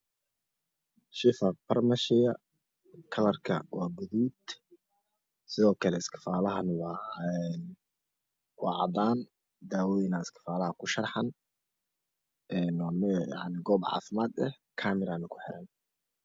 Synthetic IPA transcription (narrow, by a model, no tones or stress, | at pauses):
ʃɪfɐpʰɐrmɐʃɪjɐ | kʰɐlɐrkʰɐ̰waːɡʊðuːd̪ | sɪðɔːkʰɐlɛɪskʰɪ̥faːlɐɦɐnwɑːɛn | wɑʕɑd̪aːn | d̪aːwɔjɪnaɪskʰɪ̥faːlɐhɐkʰʊʃɐrħɐn | ɛːnwːmja̰ʕnɪɡɔːbʕɑ̰ːfɪmaːd̪ɛh | kʰaːmɪɾanɪkʰʊ̥ħɪɾɐn